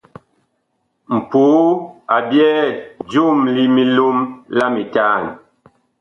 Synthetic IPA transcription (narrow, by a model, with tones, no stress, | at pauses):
m̩˨pu˨˦a˨bjɛː˦d͡ʒu˦mli˦mi˦lu˦mla˦mi˨taː˦˨n